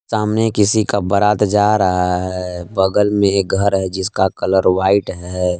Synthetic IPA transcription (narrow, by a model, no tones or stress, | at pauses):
saːmnekɪsikabɐɾaːt̪d͡ʒaːɾɐɦaɦɛbɐɡəlmẽɡʱəɾɦɛd͡ʒɪskakɐləɾʋaːɪʈɦɛ